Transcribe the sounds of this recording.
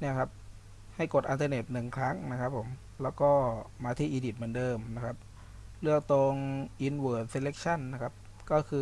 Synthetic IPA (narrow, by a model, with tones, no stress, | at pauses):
ni˥˩ɐkʰa˦˥p̚ | ha˥˩jko˨˩t̪ʔi˧nt̪ʰaː˧ne˨˩t̪̚nɯ˨˩ŋkʰɾa˦˥ŋna˦˥kʰa˦˥pʰːo˩˦m | lɛː˦˥wkɔː˥˩maː˧t̪ʰiː˥˩ʔiː˧di˨˩t̪̚mɯ˩˦ndɤː˧mna˦˥kʰa˦˥p̚ | lɯ˥˩ək̚t̪o˧ŋʔi˧nwɤː˨˩t̪̚se˧le˦˥k̚t͡ɕʰa˥˩nːa˦˥kʰa˦˥p̚ | kɔː˥˩kʰɯː˧